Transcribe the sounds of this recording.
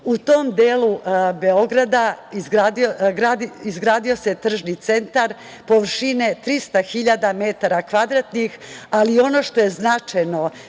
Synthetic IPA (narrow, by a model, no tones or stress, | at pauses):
ut̪o̞md̪eːlube̞o̞ɡɾad̪aizɡɾaːd̪ioɡɾad̪iizɡɾaːd̪io̞set̪r̩ʒnit̪se̞nt̪aɾ | po̞ʋr̩ʃine̞t̪ɾist̪axiʎad̪amet̪aɾakʋad̪ɾat̪nixalio̞no̞ʃt̪o̞je̞znat͡ʃajno̞